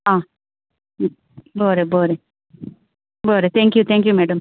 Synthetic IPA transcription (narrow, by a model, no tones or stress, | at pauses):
aː | boːɾeboːɾe | boːɾet̪ʰeːŋkjut̪ʰɛːŋkjumeːɖɐm